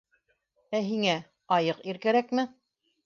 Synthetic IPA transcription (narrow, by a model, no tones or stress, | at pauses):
æɦiŋæ | ɑjɤqiɾkæɾækmɘ